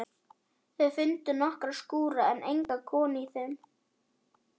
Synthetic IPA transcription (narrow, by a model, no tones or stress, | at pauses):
θɛðfʏnt̪ʏnɔhkɾaskuːɾaɛnʔejŋkakʰɔːnɪiθɛm